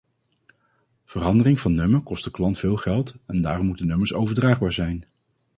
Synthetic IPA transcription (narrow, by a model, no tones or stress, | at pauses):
v̥ərɑndərɪŋv̥ɑnːɵməɹkɔst̚dəklɑntfɪːlˠχɛlˠtɛndaːrɔmutənɵməɹsowvəɹdraːχbaːɹzɛjn